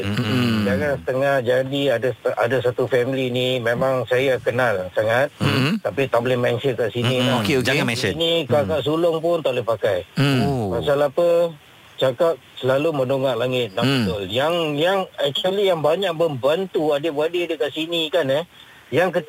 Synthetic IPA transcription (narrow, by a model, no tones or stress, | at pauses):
d͡ʒaŋansə̥t̪əŋahd͡ʒadiadaa̰dasat̪ufɛmilinimemaŋsajakənalsaŋat̪̚t̪apit̪aʔbolɛhmansənkaʔsiniaokeoaɛnikakaʔs̬ulʊŋpʊnt̪aʔlehpakajmasalapə | t͡ʃakap̚səlalumənoŋaʔlaŋɪt̪̚nãbət̪ʊljaŋjaŋɛk̚t͡ʃəlijaŋbaɲak̚məmbant̪uadəbadiadəkaʔsinikanə | jaŋk̬ə